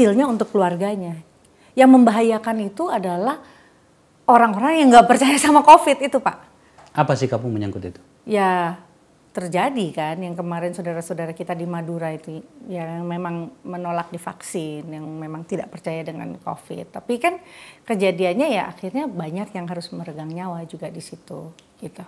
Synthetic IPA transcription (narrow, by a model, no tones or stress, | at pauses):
sɪlɲaunt̪ʊkːəluarɡaɲa | jaŋməmbaɦajakanit̪uadalah | oɾaŋoɾaŋjaŋɡapərt͡ʃajasamakofɪt̪it̪upaʔ | apasihkapʊŋməɲaŋkʊt̪it̪u̥ | ja | t̪ərd͡ʒadikanjaŋkəmaɾɛnsodaɾasodaɾakit̪adimaduɾait̪ujajŋmemaŋmənolak̚difa̰ksɪnjaŋmemaŋt̪idaʔpərt͡ʃajadəŋa̰nko̰fɪ̰t̪ːapikankəd͡ʒadianɲajaʔa̰xirɲabaɲakjaŋɦaɾʊsməɾəɡaŋɲawad͡ʒuɡadisit̪ṵɡit̪u